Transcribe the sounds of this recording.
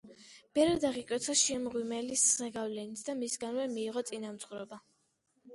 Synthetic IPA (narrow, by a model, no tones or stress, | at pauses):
b̥ɛvɾɛd̪aʁikʼwɛt̪sʰaʃɛmʁwimɛliszɛɡavlɛnit̪ʰd̪amisɡanvɛmiːʁɔt̪sʼinamt̪sʰʼχuɾɔba